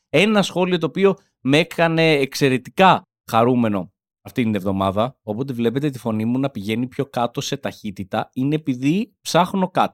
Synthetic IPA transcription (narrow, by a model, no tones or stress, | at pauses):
e̞nɐsxo̞lio̞t̪̬o̞ːpio̞ | me̞kɐne̞ːkse̞ɾe̞t̪ikɐ | xɐɾume̞no̞ | ɐft̪it̪ine̞vðo̞mɐðɐo̞po̞t̪evle̞pe̞t̪et̪ifo̞nimunɐpiʝe̞nipço̞kɐt̪o̞se̞t̪ɐçit̪it̪ɐine̞ːpiðipsɐxno̞kɐt̪o̥